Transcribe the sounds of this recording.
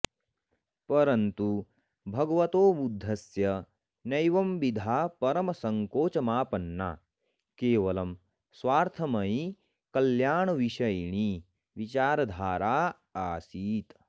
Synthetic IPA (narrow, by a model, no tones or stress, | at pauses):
pɐɾɐnt̪u | bʱɐɡɐʋɐt̪oːbud̪ʱːɐsjɐ | nɐjʋɐmʋid̪ʱaːpɐɾɐmɐsɐŋkoːt͡ʃɐmaːpɐnːa̰ | keːʋɐlɐm | sʋaːɾt̪ʰɐmɐi | kɐljaːɳɐʋiʃɐjɳi | ʋit͡ʃaːɾɐd̪ʱaːɾaː | aːsiːt̪